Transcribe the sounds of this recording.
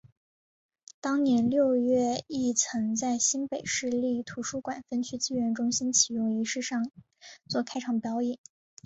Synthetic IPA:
t̪ɑ˥ŋnjɛ˧˥nljo˥˧ʊɥɛ˥˧i˥˩t͡sʰɤ˧˥ŋt͡sa˥˩ɪɕi˥npe˨˩ɪʂɻ̩˥˧li˥˩t̪ʰu˧˥ʂu˥kwa˨˩nfə˥nt͡ɕʰy˥t͡ɕi˥˧ɥɛ˧˥nʈ͡ʂʊ˥ŋɕi˥nt͡ɕʰi˨˩jʊ˥˩ŋi˧˥ʂɻ̩˥˧ʂɑ˥˧ŋ | t͡swɔ˥˩kʰa˥ɪʈ͡ʂʰɑ˨˩ŋpjɑ˧˥ʊjɛ˨˩˦n

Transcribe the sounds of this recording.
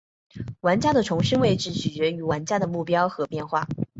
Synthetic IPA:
wa˧˥nt͡ɕja˥d̪ə˨ʈ͡ʂʰʊ˧˥ŋʂə˥nwe˥˧ɪʈ͡ʂɻ̩˥˩t͡ɕʰy˨˩t͡ɕɥɛ˧˥y˧˥wa˧˥nt͡ɕja˥d̪ə˨mu˥˩pjɑ˥ʊxɤ˧˥pjɛ˥˧nxwa̰˥˩

